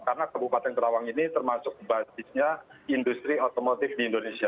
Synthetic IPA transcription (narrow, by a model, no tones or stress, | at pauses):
karnakabupat̪ɛnt̪əɾawaŋinit̪ərmasʊk̚basɪs̚ɲaindust̪ɾiot̪omot̪ɪfdiːndonesia